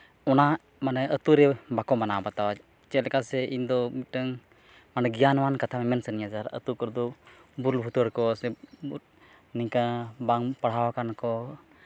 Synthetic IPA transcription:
ɔnaʔ | manɛət̪uɾɛbakɔmanabat̪awa | t͡ʃɛlɛkasɛʔind̪ɔmiʈəŋ | manəɡijanwankat̪ʰamɛmɛnsənijasaɾə̰t̪ukəɾd̪ɔbulbʱut̪əɾkɔsɛ | niŋkabaŋpəɽ̤awakankɔ

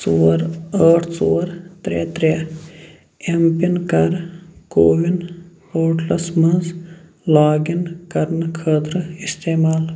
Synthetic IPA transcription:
suːɾəːʈʰt͡soːɾt̪ɾḛːt̪ɾe | empinkɐɾkoːʋin | hoːʈlɐsmɐnz | laːɡinkɐɾnɨkʰəːt̪ɾɨist̪eːmaːl

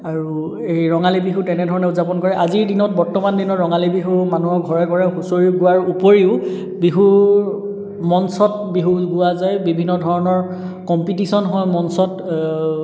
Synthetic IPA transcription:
aɹu | ejɹɔŋalibiɦutɛnɛdʱɔɹɔnɛʊtzapɔnkɔɹɛʔaziɹdinɔt̚bɔɹtɔmandinɔːɔŋalibiɦumanuɦɔɡʱɔɹɛɡɔɹɛxusoɹiʊɡʊwaɹupoɹiʊ | biɦu | mɔnsɔt̚ | biɦuɡʊwazajbibʱinːɔdʱɔɹɔnɔɹ | kɔmpitisɔnɦɔjmɔnsɔt

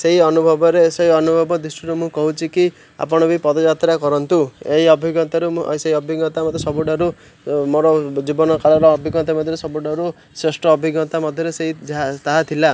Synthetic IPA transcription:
seɦiɔnubʱɔbɔɾeseɦiɔnubʱɔbɔd̪ɾisʈiɾumũkɔɦut͡ʃʰiki | a̰pɔɽ̃ɔbipɔd̪ɔd͡ʒat̪ɾakɔɾɔnt̪ũeɦiɔbʱiɡɔt̪aɾuseɦiɔbʱiɡɔt̪amɔd̪ɔsɔbuɖaɾu | moɾɔd͡ʒibɔnɔkalɔɾɔːbʱiɡɔt̪amɔd̪ʱjɔɾesɔbuɖaɾu | sɾesʈɔːbʱiɡɔt̪amɔd̪ʱjɔɾeseɦid͡ʒaɦt̪aɦat̪ʰila

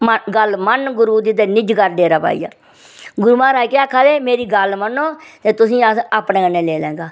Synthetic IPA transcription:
mɡəlmənɡʊɾuːd̪iːt̪̬eːnɪd͡ʒkəɾɖeːɾaːpa̰ːḭːja̰ː | ɡʊɾuːmãːɾaːiːkɪjaːkʰaːleːmeːɾiːɡəlmənːoːt̪eːt̪ʊsĩːəsaːpnẽːɡənːeːleːlɛ̃ːɡaː

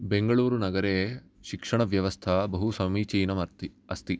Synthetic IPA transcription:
beŋɡɐɭuːɾunɐɡɐɾeːʃikʂɐɳɐʋjɐʋɐst̪ʰɐbɐɦusʋɐmiːt͡ʃiːnɐmɐɾt̪iɐst̪i

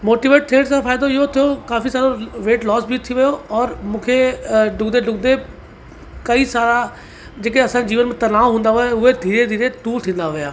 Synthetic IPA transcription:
moːʈiʋeːʈ̚t̪ʰeːɽsãːfʰaːɪd̪oɪɦot̪ʰijokaːfisaːɾoʋeːʈlɔːsbʱit̪ʰiʋɐjoɔːɾmũːkʰeɖʊɡd̪eɖʱʊɡd̪e | kɐisaːɾa | d͡ʑeːk̬eɐsãːed͡ʑiːʋənmẽt̪ɐnaːʋɦũːnd̪aɦoeʊɦed̪ʱiːɾed̪ʱiːɾet̪uːlt̪ʰĩːn̆d̪aɦɪjaː

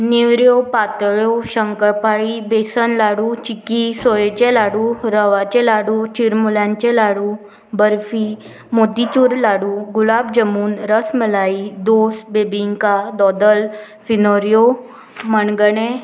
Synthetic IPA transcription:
neʋɾjopat̪ɭoɕəŋkəɾpaɭibesənlaɽuːt͡ɕikisojt͡ɕelaɽuɾəʋat͡ɕɛ̃laɽut͡ɕiɾmulãɲt͡ɕɛlaɽu | bəɾfi | mod̪it͡ɕuɾlaɽuɡulabd͡ʑəmuːnɾəsməlaid̪osbebiŋkad̪ɔd̪əl | finoɾjo | məɳɡəɳe

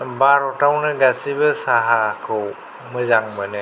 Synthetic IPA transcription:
baɾɔtawnɯɡasibɯsaɦakʰɯw | mɯzaŋmɯnɯ

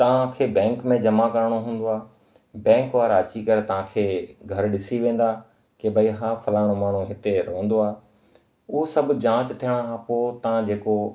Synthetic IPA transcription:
t̪ɐʋ̤ãkʰeːbɛ̃ːŋkmẽd͡ʑɐmakɐɾɽ̃oɦũːn̆d̪oaː | bɛ̃ːŋkʋaːɾaɐt͡ɕikɐɾet̪ɐʋ̤ãkʰeːɡʱɐɾɗɪsiʋẽːn̆d̪a | kebɐiɦafʰɐlaːɪɽ̃omaːɳ̤ũɦɪt̪eɾõːnd̪oaː | ʊɦosɐbʱʊ̆d͡ʑãːt͡ɕt̪ʰiəɽ̃aɦãpoːt̪ɐʋ̤ãd͡ʑeːko

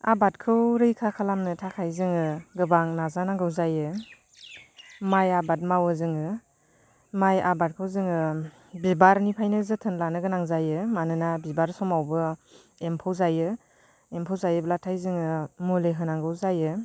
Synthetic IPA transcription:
a̰batkʰɯwɾɯjkʰakʰalamnɯtʰakʰajzɯŋɯɡɯbaŋnazanaŋɡɯwzajɯ | majabat̚mawɯzɯŋɯ | maja̰bat̚kʰɯwzɯŋɯ | bibaɾnipʰajnɯzɯtʰɯnlanɯɡɯnaŋzajɯmanɯnabibaɾsɔmawbɯ | empʰɯwzajɯ | empʰɯwzajɯblatʰajzɯŋɯmuleɦɯnaŋɡɯwzajɯ

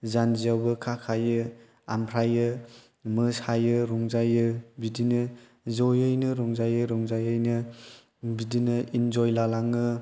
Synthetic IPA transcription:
zanzijawbɯkʰakʰajɯ | ampʰɾajɯ | mɯshajɯɾɔŋzajɯbidinɯ | zɔjɯjnɯɾɔŋzajɯɾɔŋzajɯjnɯ | bidinɯinzɔjlalaŋɯ

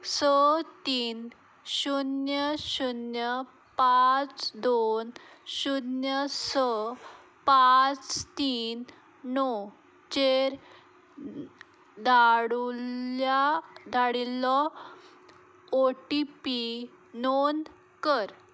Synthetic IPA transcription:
sət̪iːn | ɕunjəɕunjə | pat͡sd̪on | ɕunjəsə | pat͡st̪iːn | nɔ | t͡ɕeɾ | d̪ʱaɽujad̪ʱaɽilɔ | oʈipi | non | kəɾ

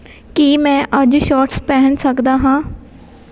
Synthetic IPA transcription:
kiːmɛ̃ːʔəd͡ʒʃɔːʈspɛːənsəkd̪aːɦãː

